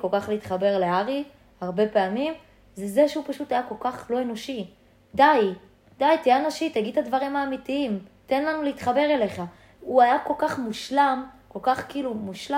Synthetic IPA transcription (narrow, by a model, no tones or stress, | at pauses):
ko̞lkaχliit̪χabe̞ʁle̞aʁi | haʁbe̞peamim | zezeʃeupaʃut̪ajako̞lkaχlo̞e̞no̞ʃi | daj | d̥̪ajt̪ijanoʃit̪aɡid̪̚tadvaʁimaːmitiimte̞nlanuleiːtχabe̞ʁele̞χa | uajako̞lkaχmuʃlamko̞lkaχkiilumuʃla